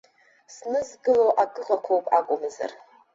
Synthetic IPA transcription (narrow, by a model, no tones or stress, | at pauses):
snɨzɡɨloʔaɡɨʁakʷʰowpʼakʷʼʊmɨza̰r